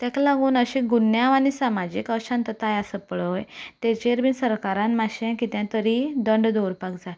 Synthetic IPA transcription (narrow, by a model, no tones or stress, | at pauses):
t̪jɛ̃klaɡuːnəɕĩɡunjãañisamad͡ʑiːkəɕãnt̪ət̪ajasəpəɭəjt̪ɛt͡ɕeɾbisəɾkaɾãnmaɕẽkit̪jãt̪əɾid̪əɳɖd̪oɾpakd͡za